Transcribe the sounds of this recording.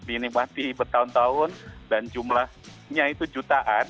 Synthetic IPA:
dinimat̪ibərt̪aʊnt̪aʊndand͡ʒumlahɲait̪ud͡ʒut̪aʔan

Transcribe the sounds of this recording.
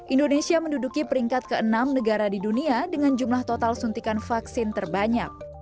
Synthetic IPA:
ʔindonesiaməndudukipəɾiŋkat̪̚kəənamnəɡaɾadiduniadəŋand͡ʒumlaht̪ot̪alsunt̪ikanfaksɪnt̪ərbaɲak̚

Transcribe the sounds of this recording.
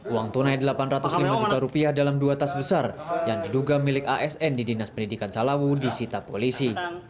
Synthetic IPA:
uwaŋt̪unajdəlapanrat̪uslimad͡ʒut̪aɾupiahdalamduat̪asbəsarjaŋdiduɡamilɪkaʔɛsɛndidinaspəndidikansalawudisit̪apolisi

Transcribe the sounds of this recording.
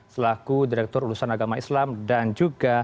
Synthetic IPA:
səlaɡudiɾɛk̚t̪ɔɾulusanaɡamaislamdand͡ʒuɡa

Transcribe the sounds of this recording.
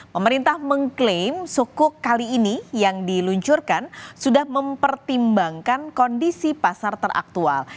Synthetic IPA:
pəməɾint̪ahməŋklemsokʊkːaliːnijaŋdiluɲt͡ʃurkansudahməmpərt̪imbaŋkankɔndisipasart̪ərʔa̰k̚t̪ual

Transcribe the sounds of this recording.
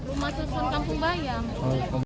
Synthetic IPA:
rumahsusʊnkampuŋbajaŋaka

